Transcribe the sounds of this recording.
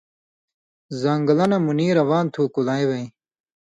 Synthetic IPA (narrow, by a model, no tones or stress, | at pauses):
zɐŋɡɐlɐnɐmuniːɾɐwaːnt̪ʰuːkulaːjwɐj